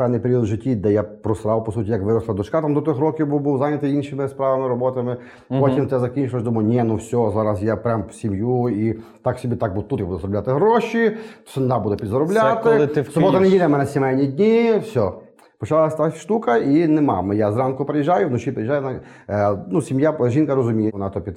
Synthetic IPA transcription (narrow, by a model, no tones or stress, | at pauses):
pɛwnɪjpeɾʲiwɔd̪ʒɪtʲːid̪ɛjapɾɔsɾɑwpɔsutʲijɐkʋɪɾɔslˠɐd̪ʊʃkat̪amd̪ɔt̪ɔɦɾɔkʲɪwbuwbuwzɑnʲɐt̪ɨɪinʃɪmɪspɾɑʋɐmɪɾɔbɔt̪ɐmɪ | ppɔtʲimt̪ɛzɐkʲinʲt͡ʃʊʋɐʃd̪umɐjʊnʲɛnufsʲɔzɑɾɐzjapɾʲamsʲimjuit̪ɑksʲɔbʲit̪ak̚but̪ut̪jabud̪ʊzɾɔblʲat̪ɪɦɾɔʃit̪ɔ̥sɔnd̪abud̪ɛpʲid̪zɐɾɔblʲat̪ɪsɔbɔt̪ɐnedʲilʲɐmɛnɛsʲimɛjnʲid̪ʲnʲifsʲɔ | pɔt͡ʃɐlˠasʲt̪aʃt̪ukɐinɛmɑ̰mɪjazrɑnkʊpɾejiʒajʊʋnɔt͡ʃipɾejiʒajʊnɐ | nusʲimjaʒʲinkɐɾɔzʊmʲijɛɔnat̪ɔpʲid̪